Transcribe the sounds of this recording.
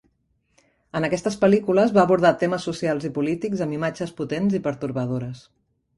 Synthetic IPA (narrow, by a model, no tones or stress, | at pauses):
ənəkɛst̪əspəlikuləzβaːβuɾð̞at̪eməsːusialˠzipulit̪ikzəmbimad͡ʒəsput̪enzipəɾt̪uɾβəðoɾəs